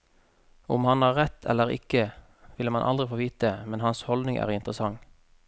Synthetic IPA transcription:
ʊmhɑnɑːʁʁɛt̪ʰɛ̰lːəʁɪ̰kə | ʋɪləmɑnʔɑ̰ld̪ʁɪfoːʋiːt̪̚əmɛnhɑnshɔld̪nɪŋʔæ̰ːʁɪnt̪ʁəsɑŋ

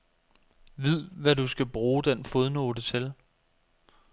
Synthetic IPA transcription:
ʋið̰ˠʋæd̥usɡ̥æb̥ʁuːd̥enfoðˠnod̥ət͡sʰel

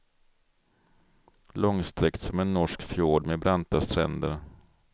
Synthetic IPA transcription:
lɔŋst̪ɾɛkt̪sɔmɛnːɔʂkfjoːɖmebɾant̪ast̪ʰɾɛ̰nd̪əɾ

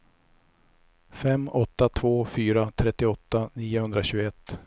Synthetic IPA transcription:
fɛmːɔt̪ːat̪ʰvoːfyːɾat̪ʰɾɛt̪ːɪɔt̪ːaniːʊhɵnd̪ɾaɕʉːɡɛt̪ː

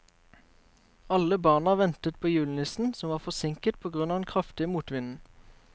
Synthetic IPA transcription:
ɑləbɑːnɑʋɛnt̪ət̪̚pʰoːjʉːln̩ɪsn̩sɔmʋɑːʁfɔsɪŋkət̪̚pʰoːɡʁʉnɑːd̪ɛnkʰʁɑft̪ɪəmuːt̪ʋɪnn̩

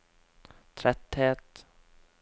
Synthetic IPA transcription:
t̪ʰɾɛt̪heːt̪

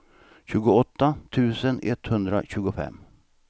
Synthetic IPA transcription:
ɕʉ̟ːɡʊɔt̪ːat̪ʰʉ̟ːsənɛt̪hɵnd̪ɾa̰ɕʉ̟ːɡʊfɛ̰mː

